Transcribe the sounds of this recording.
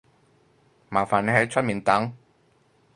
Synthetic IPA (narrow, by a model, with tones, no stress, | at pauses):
maː˨˩nfaː˨˩nːe˨˥ɦɐ˨˥jt͡ʃʰə˥t̚miː˨˩nt̪ɐ˨˥ŋ